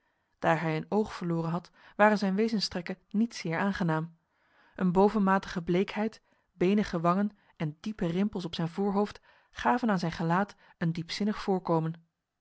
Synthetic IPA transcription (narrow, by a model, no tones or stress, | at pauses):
d̥aːɹɦɛjənowχfəɹlʊːrənɦɑt | ʋaːrənzɛjnʋejzənstrɛkənnitsɪːɹaːnχənaːm | ʔənbowvənmaːtəχəblejkɦɛjt | bejnəχəʋɑŋən | ɛndipərɪmpəlˠsɔpsɛjnvʊːɹɦowft | χaːvənaːnzɛjnχəlaːt | əndipsɪnəχfʊːɹkoːwmən